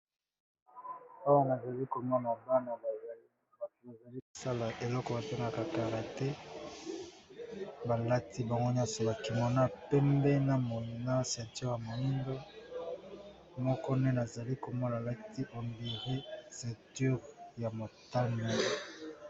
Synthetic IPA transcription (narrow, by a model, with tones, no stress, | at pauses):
a˦wa˦na˨za˨li˦ko˨mɔ˦na˨ba˦no˨ba˨za˨˦ | ba˨t̚u˨ba˨za˨li˦ko̥˨sa˦la˨ʔe˨lɔ˦kɔ˨ba˨te˦ŋɡa˦ka˨ka˨ʁa˨tɛ˦ | ba˨la˦ti˦ba˨ŋɡo˦ɲ˦a˦so˨ba˨ki˨mo˨na˦pɛ˦mbɛ˦na˨mo˨na˦sɛ˨tɛ˦ʁja˨mo˨li˦ndo˦ | mɔ˦kɔ˦ne˦na˨za˨li˦ko˨mo˦la˨la˦ti˦ʔo˨mbi˨ʁi˦sɛ˨ty˦ʁja˨mo˨ta˦ni˨